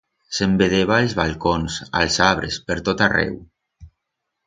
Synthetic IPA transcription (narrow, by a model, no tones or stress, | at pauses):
sembeðeβaelˠzβalˠkonsa̰lˠsaβɾespəɾt̪ot̪arɛ̰w